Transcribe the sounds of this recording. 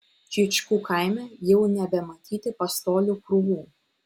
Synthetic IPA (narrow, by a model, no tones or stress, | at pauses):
t͡ʃʲɪt͡ʃʲkuːkʰaˑɪmʲɛjɛʊnʲɛbʲɛmɐt̪ʲiːt̪ʲɪpɐst̪oːlʲukɾʊʋuː